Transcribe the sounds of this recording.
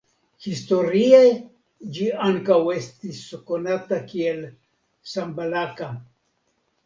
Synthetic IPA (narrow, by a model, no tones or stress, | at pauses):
hist̪oɾiaj | d͡ʒiaŋkawe̞st̪iskonat̪akiel | sambalaka